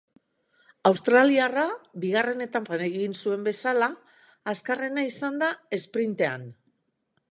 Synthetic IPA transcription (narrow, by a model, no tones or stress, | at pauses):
awst̪ɾaliaraβiɣare̞ne̞t̪ampane̞ɣinsue̞mbe̞salaː | skare̞naisand̪ae̞spɾint̪e̞a̰n